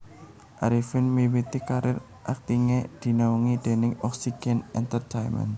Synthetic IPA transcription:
ʔaɾifɪnmiwit̪ikaɾɪr | ʔak̚t̪iŋed̪̥i̤nauŋid̪̥e̤nɪŋɔksiɡ̥ɛnɛnt̪ərt̪ajmɛ̰n

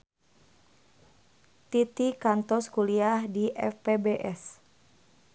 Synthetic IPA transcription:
t̪it̪ikant̪ɔskuliahdiʔɛ̰fpebeʔɛs

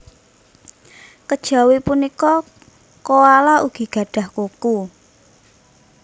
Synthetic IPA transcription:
kəd̥ʒ̥a̤wepunikɔ | koalaʔuɡ̥i̤ɡ̥ä̤ɖ̥a̤hkuku

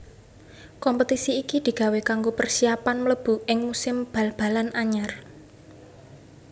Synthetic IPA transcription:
kɔmpət̪isiːkid̪̥i̤ɡ̥a̤wekaŋɡopərsiapanmələb̥ṳɪŋmusɪmb̥a̤lb̥a̤lanʔaɲar

